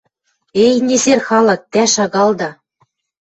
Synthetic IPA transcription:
ejnʲezerxɑlɤ̆k̚t̪æʃɑɣɑlˠd̪ɑ

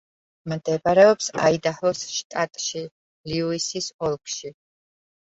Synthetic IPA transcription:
md̪ɛbaɾɛɔpsa̰id̪ahlˠɔsʃt̪ʼat̪ʼʃi | liuisisɔlˠkʰʼʃi

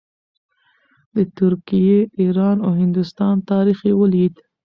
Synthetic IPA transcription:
d̪ət̪ʊɾkijeiɾɑnoɦɪnd̪ʊst̪ɑnt̪ɑɾixewəlid̪

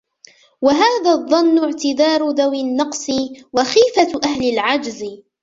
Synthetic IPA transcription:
waɦaːðaːðˤːɑnːʊʕt̪ɪd̪ɑːɾˤʊd̪awɪnːɑqsˤɨwaxiːfaʔahlɪlʕad͡ʒz

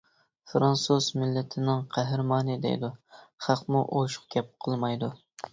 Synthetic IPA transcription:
fɾɑnsuzmɪlːɪt̪ʰɪnɪŋqʰæɦɾmɑːnɪd̪ḛjd̪uχɑqmuʔoʃχkʲɛp̚qʰəlˠmɑjd̪u

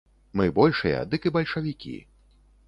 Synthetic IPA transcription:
mɨbɔlʲʂɨjɐ̰d̪ɨkɨbɐlʲʂɐvʲikʲḭ

